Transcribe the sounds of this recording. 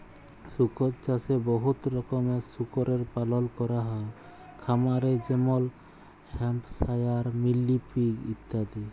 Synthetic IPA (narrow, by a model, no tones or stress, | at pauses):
sukɔtt͡ʃasebɔɦut̪ɾɔkɔmɛsukɔɾeɾpalɔlkɔɾaɦɔe | kʰamaɾed͡ʒemɔl | hɛmpsajaɾmilːipiɡḭt̪ːad̪i